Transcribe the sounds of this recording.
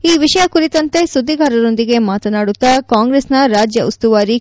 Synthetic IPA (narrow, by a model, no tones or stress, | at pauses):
iːʋiʂɐjɐkuɾit̪ɐnt̪e̞sud̪ːiɡaːɾɐɾo̞nd̪iɡe̞maːt̪ɐnaːɽut̪ːɐkaːŋɡɾeːsnɐɾaːd͡ʒjɐʔust̪uʋaːɾi